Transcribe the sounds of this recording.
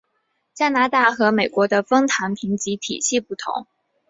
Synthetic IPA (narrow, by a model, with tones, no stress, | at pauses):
t͡ɕja˥na˧˥t̪a˥˩xɤ˧˥me˨˩ɪkwɔ˧˥d̪ə˧fɤ˥ŋt̪ʰa˧˥npʰi˧˥ŋt͡ɕi˧˥t̪ʰḭ˨˩ɕi˥˧pu˥˩t̪ʰʊ̰˧˥˦ŋ